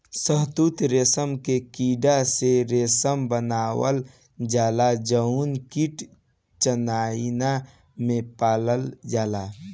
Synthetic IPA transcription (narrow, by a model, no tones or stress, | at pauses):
səɦt̪uːt̪ɾeːsəmkekiːɖaseɾeːsəmbənaːwə̰l | d͡ʒaːlad͡ʒəunkiʈ | t͡ʃənaːina | mẽpaːləld͡ʒaːla